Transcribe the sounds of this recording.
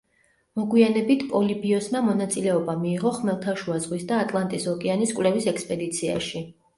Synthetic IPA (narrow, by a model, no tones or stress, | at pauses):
mɔɡwianɛbit̪ʰpʼɔlibiɔsmamɔnat̪sʼilɛɔbamiːʁɔχmɛlˠt̪ʰaʃuazʁwisd̪aːt̪ʼlˠant̪ʼisɔkʼɛaniskʼwlɛvisɛkspʼɛd̪it̪sʰia̰ʃi